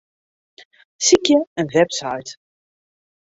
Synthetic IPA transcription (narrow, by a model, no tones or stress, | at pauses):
sikjəənvɛbsɑjt̪